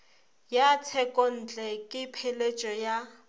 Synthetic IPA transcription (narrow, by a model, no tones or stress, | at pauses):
jat͡sʰɛkʼɔn̩ːt͡ɬʼɛkʼɪpʰelet͡ʃʼɔja